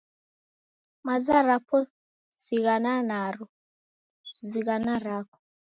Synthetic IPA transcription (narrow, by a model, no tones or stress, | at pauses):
mazaɾapʰɔ | ziɣananaɾu | ziɣanaɾakʰɔ̥